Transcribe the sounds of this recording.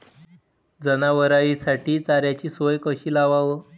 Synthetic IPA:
d͡zənaʋəɾaʋisaʈʰiːt͡saɾjat͡ɕiːsʋəjkəɕiːlaʋaʋə

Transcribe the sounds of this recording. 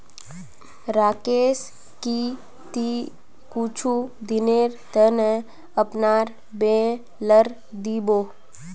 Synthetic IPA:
ɾaːkeːs | ki | t̪i | kut͡ʃʰud̪ɪneːɾt̪ənə | əpnaːɾ | beː | ləɾ | d̪iːboː

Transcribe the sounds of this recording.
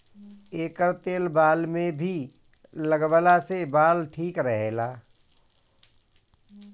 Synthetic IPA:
eːkəɾt̪eːlbaːlmẽbʱi | ləɡbəlasebaːlʈʰiːkɾəɦeːlaː

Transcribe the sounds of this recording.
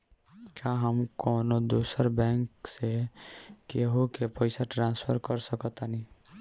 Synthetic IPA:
t͡ʃaɦəmkɔːnod̪oːsəɾbɛ̃ːŋkse | keɦokepəɪsaʈɾãːnspʰəɾkəɾsəkɔt̪ani

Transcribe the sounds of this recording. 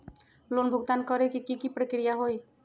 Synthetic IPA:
lonbʱuɡ̚t̪ankɔɾekikikipɾəkɾijaɦoj

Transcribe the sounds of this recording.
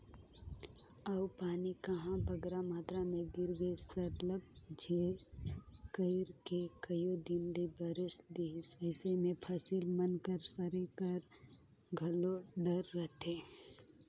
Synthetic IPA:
əʊpaːnikəɦãbəɡɾamaːt̪ɾamẽɡɪɾɡəsəɾləb̚d͡ʒeː | kəɪɾkekəjod̪ɪnd̪ibəɾɪsd̪esɛːsemẽpʰəsilmənkəɾsəɾekəɾ | ɡʱɐloɖəɾːət̪eː

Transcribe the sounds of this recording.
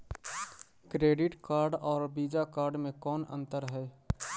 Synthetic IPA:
kɾeːɖɪʈkaːɾɖɔːɾbiːd͡ʒakaːɾɖmẽkɔːnə̰̃nt̪əɾɦɛː

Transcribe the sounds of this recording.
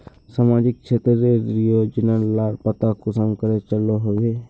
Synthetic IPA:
samaːd͡ʒɪk̚t͡ʃʰeːt̪ɾəɾedɾijod͡ʒɪnəlaːɾpət̪akusəmkəɾet͡ʃəloɦoɡe

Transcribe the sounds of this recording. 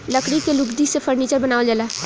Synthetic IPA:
ləkɽikelʊkd̪isepʰəɾniːt͡ʃəɾbənaːʋd͡ʒəla

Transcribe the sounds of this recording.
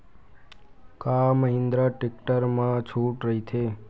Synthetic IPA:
kaməɦɪ̃nd̪ɾəʈɪk̚ʈəɾmãt͡ʃʰuʈɾəɦit̪ʰe

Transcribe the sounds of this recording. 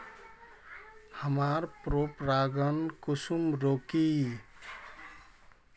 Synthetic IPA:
həmaɾpɾopɾaɡənkusumɾoki

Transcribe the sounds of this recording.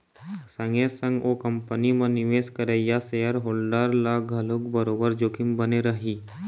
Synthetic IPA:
sə̃ŋesə̃ŋɡokə̃mpənimẽnɪʋeːskəɾejasejəɾɦoːlɖaːɾlaɡʱɐlʊkbəɾoːbəɾd͡ʒoːkɪmbəneɾɐɦiː

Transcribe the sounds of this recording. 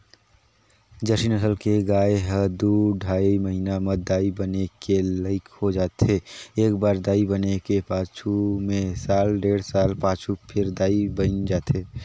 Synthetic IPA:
d͡ʒəsinəsəlkeɡaːeɦəd̪uɖʱaːiməɦinaməd̪aːibənekeləɪkhod͡ʒaːt̪ɦeeːkbaːɾd̪aːibənekepaːt͡ʃʰumẽsaːlɖeːɽsaːlpaːt͡ʃʰupʰɪɾd̪aːibənd͡ʒaːt̪ɦe

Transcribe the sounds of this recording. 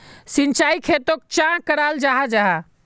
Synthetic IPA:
sint͡ʃaikʰet̪ok̚t͡ʃãkəɾald͡ʒaɦad͡ʒaɦa

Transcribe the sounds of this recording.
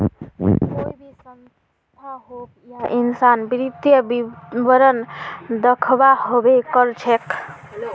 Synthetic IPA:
oibʱisən | t̪ʰaɦo | jaʔinsanbiɾid̪jəbibəɾənd̪əkʰbahobekəɾt͡ʃʰek

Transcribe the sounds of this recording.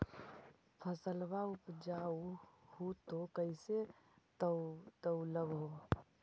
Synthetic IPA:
pʰəsəlbaupd͡ʒauhut̪okəɪse | t̪əʊləbɦo

